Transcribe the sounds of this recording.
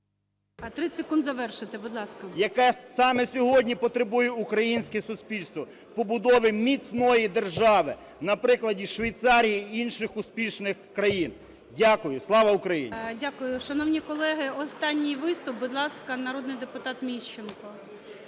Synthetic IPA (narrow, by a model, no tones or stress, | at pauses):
ɐt̪ɾɪsekund̪zɐʋɛrʃɪt̪ɪbʊd̪lˠɑskɐjɐkɛsɑmɛsʲɔɦɔdʲnʲipɔt̪ɾebujɛukɾɐjinʲsʲkɛsʊspʲilʲst̪ʋɔ | pɔbʊd̪ɔʋɪmʲit͡sʲnɔjid̪erʒɑʋɪ | nɐpɾɪklˠɐdʲiʃʋɐjt̪sɑɾʲijiinʃɪxʊspʲiʃnɪxkɾɐjin | dʲakʊjʊslˠɑʋɐʊkɾɐjḭnʲdʲakʊjʊʃɐnɔwnʲikɔlˠɛɦɪɔst̪ɑnʲːijʋɪst̪ʊp̚bʊd̪lˠɑskɐnɐɾɔd̪nɪjd̪epʊt̪ɑt̪mʲiʃt͡ʃːenkɔ